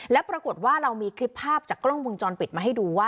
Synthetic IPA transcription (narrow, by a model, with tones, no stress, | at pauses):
lɛ˦˥pɾa˧ko˨˩t̪̚waː˥˩ɾa˧wmiː˧kʰɾi˦˥pʰːaː˥˩p̚t͡ɕaː˨˩kːɾo˥˩ŋwo˧ŋt͡ɕɔː˧npi˨˩t̪̚maː˧ɦa˥˩jduː˧waː˥˩